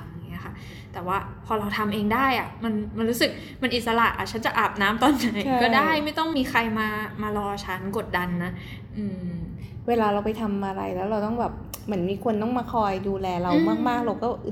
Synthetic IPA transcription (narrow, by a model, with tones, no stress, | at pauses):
a˧ŋi˦˥ɐ˨xʰa˥˩ | t̪ɛː˨˩waː˥˩pʰɔː˧ɾa˧wt̪ʰa˧mʔeː˧ŋdaː˥˩jʔa˨˩ma˧nma˧nɾu˦˥sɯ˨˩k̚ | ma˧nʔi˨˩t̪̚sa˧la˨˩ʔa̰˨˩t͡ɕʰa˦˥nt͡ɕa˨˩ʔaː˨˩p̚naː˦˥mt̪ɔː˥˩nt͡ɕa˨˩˦jkɔː˥˩daː˥˩jma˥˩jt̪ɔ˥˩ŋmiː˧xʰa˧jmaː˧maː˧lɔː˧t͡ɕʰa˦˥nko˨˩t̪̚da˧nːa˦˥ | ʔɯː˧ | weː˧laː˧ɾa˧wpa˧jt̪ʰa˧mʔa˧ɾa̰˧jlɛː˦˥wɾa˧wt̪ɔ˥˩ŋbɛː˨˩p̚ | mɯ˩˦ə˦nmiː˧kʰu˧ənt̪ɔ˥˩ŋmaː˧kʰɔː˧jduː˧lɛː˧ɾa˧wmaː˥˩k̚maː˥˩k̚ɾa˧wkɔː˥˩